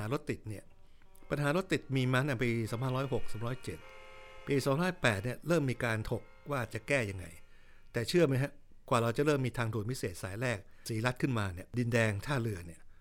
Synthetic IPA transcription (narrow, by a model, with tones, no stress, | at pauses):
aː˩˦ɾo˦˥t̪ːi˨˩t̪̚ni˥˩ɐ | pa˧nɦaː˩˦ɾo˦˥t̪ːi˨˩t̪̚miː˧ma˦˥na˥˧˩piː˧saː˩˦mʰpʰa˧nɾɔː˦˥jɦo˨˩k̚saː˩˦mɾɔː˦˥jt͡ɕe˨˩t̪̚piː˧sɔː˩˦mɾaː˦˥˩pɛː˨˩t̪̚ni˥˩ɐɾɤː˥˩mːiː˧kaː˧nt̪ʰo˨˩k̚waː˥˩t͡ɕa˨˩kɛː˥˩ja˧ŋːa̰˧j | t̪ɛː˨˩t͡ɕʰɯ˥˩ɐma˦˥jɦa˦˥ | kwaː˨˩ɾa˧wt͡ɕa˨˩ɾɤː˥˩mːiː˧t̪ʰaː˧ŋdu˨˩nwi˦˥seː˨˩t̪̚saː˩˦jɾɛː˥˩k̚siː˩˦la˦˥kʰɯ˥˩nmaː˧ni˥˩ɐdi˧ndɛː˧ŋt̪ʰaː˥˩lɯ˧ɐni˦˥˩ɐ